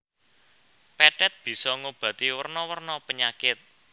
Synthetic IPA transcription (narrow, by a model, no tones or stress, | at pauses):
pɛʈɛt̪̚b̥i̤sɔŋob̥a̤t̪iwərnɔwərnɔpəɲakɪt̪̚